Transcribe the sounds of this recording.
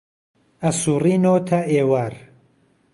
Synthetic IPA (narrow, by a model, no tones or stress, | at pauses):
ɐsuːrinot̪ʰɐʔeːwaːɾ